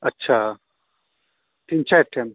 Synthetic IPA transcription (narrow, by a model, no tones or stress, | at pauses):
ɐtːɕʰa | t̪int͡ɕaʈʰem